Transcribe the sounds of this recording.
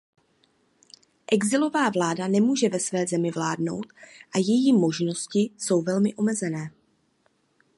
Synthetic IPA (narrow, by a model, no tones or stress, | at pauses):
ʔɛɡzɪlo̞vaːvlaːdanɛmuːʒɛvɛsvɛːzɛmɪvlaːdno̞̰wt̪ʔajɛjiːmo̞ʒno̞scɪso̞wvɛlmɪʔo̞mɛzɛnɛː